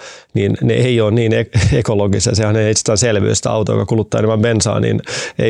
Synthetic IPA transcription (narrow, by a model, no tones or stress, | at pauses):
ninnḛʔeioːnniːneekoloɡisɑjsehɑneit̪se̥st̪ːæːnselʋy̰ːst̪æɑwt̪ojo̰kɑkulut̪ːɑːeneʋɑmpensɑ̰ːnḭnḛ